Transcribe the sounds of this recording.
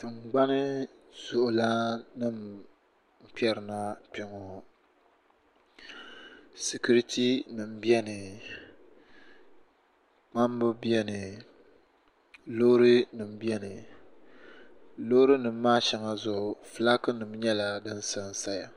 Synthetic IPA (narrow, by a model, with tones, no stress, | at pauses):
tɨ˨ŋ͡mɡ͡ba˦nɨ˦ | z̥ʊ˨ʔʊ˨la˦nɨ˦m̩˨ | pɛ˦ɾɨ˨na˦pɪ˨ŋɔ˨ | sɪ˨ku˦ɾi˦tʰi˦nɨ˨m̩˨bi˦ɛ˦nɨ˨ | k͡pa˦m˦bɨ˦bi˦ɛ˦nɨ˨ | lo˦ɾɨ˦nɨ˨m̩˦bi˦ɛ˦nɨ˨ | lo˦ɾɨ˦nɨ˨m̩ː˦aː˦ʃɛ˨ŋa˦zʊ˨ʔʊ˨fɨ˨la˦kɨ˦nɨ˨m˦ɲɛ˦la˨dɨ˦n˦sa˦n˨sa˦ja˨